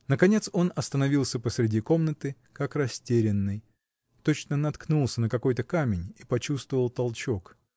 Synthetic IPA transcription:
nəkɐnʲe̞t̪so̞nɐst̪ənɐvʲilˠsʲəpəsɾʲɪdʲiko̞mnət̪ɨ | kakrɐsʲtʲeɾʲɪnːɨj | t̪ot͡ɕnənɐt̪knulˠsʲənəkɐko̞jt̪əkamʲɪnʲipɐt͡ɕust̪vəvəlˠt̪ɐlˠt͡ɕo̞k

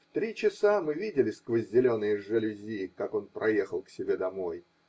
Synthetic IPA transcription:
ft̪ɾʲit͡ɕɪsamɨvʲidʲɪlʲɪsʲkvəzʲdʲɪlʲo̞nːɨjʐɨlʲɪzʲikako̞npɾʔɐje̞xəlˠksʲɪbʲe̞d̪ɐmo̞j

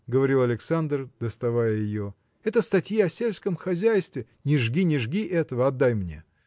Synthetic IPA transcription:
ɡəvɐɾʲilˠɐlʲɪksand̪rd̪əst̪ɐvajəjɪjo | ɛt̪əst̪ɐtʲjiɐsʲelʲskəmxɐzʲæjst̪vʲɪ | nʲɪʐɡʲinʲɪʐɡʲiʔɛt̪əvəɐd̪ːajmnʲe̞̰

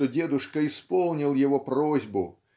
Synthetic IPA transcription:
ɔdʲed̪ʊʂkɐispɔlˠnʲilˠjɛvɔprozʲbʊ

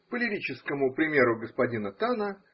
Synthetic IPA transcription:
pəlʲɪɾʲit͡ɕɪskəmʊpɾʲɪmʲe̞ɾʊɡəspɐdʲinət̪anə

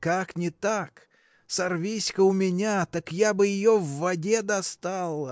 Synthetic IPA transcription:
kaknʲɪt̪ak | sɐrvʲisʲkəʊmʲɪnʲat̪akjabɨjɪjovːɐdʲed̪ɐst̪alˠə

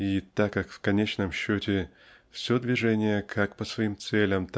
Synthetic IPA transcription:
it̪akːakfkɐnʲet͡ɕnəmɕːotʲɪ | fsʲɵd̪vʲɪʐɛnʲɪjəkʰakpəsvɐimt̪sɛlʲəmt̪

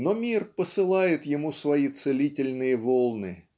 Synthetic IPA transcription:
nomʲirpəsɨlˠajɪt̪jɪmusvɐit̪sɨlʲitʲɪlʲnɨjəvolˠnɨ

